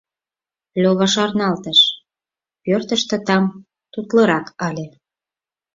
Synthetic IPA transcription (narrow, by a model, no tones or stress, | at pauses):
lʲoβɑʃɑrnɑlt̪əʃ | pørt̪əʃt̪ə̆t̪ɑm | t̪ut̪lɤ̆ɾɑkʰɑlʲe